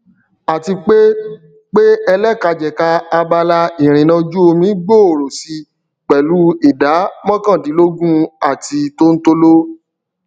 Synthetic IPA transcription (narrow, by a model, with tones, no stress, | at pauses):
a˨ti˧k͡pe˦ | k͡pe˦ɛ˧lɛ˦˨ka˧d͡ʒɛ˨ka˧a˧ba˧la˧i˨ɾ̃ĩ˨nã˧d͡ʒu˦o˧mĩ˨˦ɡ͡bo˦˨o˨ɾo˨si˧ | k͡pɛ˨lu˨˦i˦˨da˨˦mɔ̃˦kã˦˨di˨˦lo˦ɡũ˦a˦˨ti˧to˦n̩˦to˦lo˦